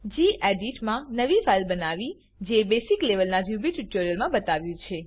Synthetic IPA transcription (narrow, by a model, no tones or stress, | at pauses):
d͡ʒiʔeɖiʈmãnəʋifalbənaʋi | d͡ʒebesikleʋəlnad͡ʒjubiʈiʈoɾijəlmãbət̪aʋjũt͡ʃʰe